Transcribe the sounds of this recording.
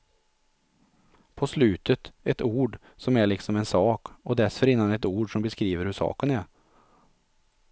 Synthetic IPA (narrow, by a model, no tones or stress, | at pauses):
pʰɔslʉːt̪ʰət̪ɛt̪uːɖ | sɔmæɭɪksɔmɛnsɑːkɔd̪ɛsfœɾɪnːanɛt̪uːɖʂɔmbɛskɾiːʋəɾhʉʂɑ̰ːkənɛɾ